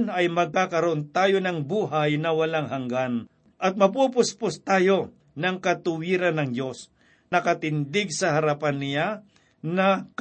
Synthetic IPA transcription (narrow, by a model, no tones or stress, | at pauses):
nɐjmɐɡ̚kakɐɾoʔont̪aːjo̞nɐŋbuːɦajnɐwɐlaŋhɐŋɡan | ʔɐt̪̚mɐp̬up̬ʊspʊst̪aːjo̞ | nɐŋkɐt̪ʊwiːɾɐnːɐŋd̪jo̞s | nɐkɐt̪ɪnd̪ɪɡ̚sɐhɐɾapanːɪja | nɐk